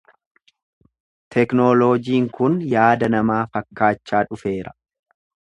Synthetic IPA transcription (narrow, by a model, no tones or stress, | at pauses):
t̪ʰɛknoːloːd͡ʒiːŋkʊnjaːd̪ɐnɐmaːfɐkːaːt͡ʃːaːᶑʊfe̞ːɾɐ̥